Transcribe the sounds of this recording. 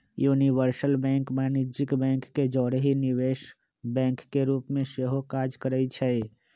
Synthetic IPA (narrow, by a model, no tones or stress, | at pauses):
juːniʋəɾsəlbɛ̃ːŋkmaːnid͡ʒɪkbɛ̃ːŋkːed͡ʒɔːɽɦinɪʋeːʃ | bɛ̃ːŋkːeɾuːpmẽseːɦokaːd͡ʒkəɾəit͡ʃʰɛ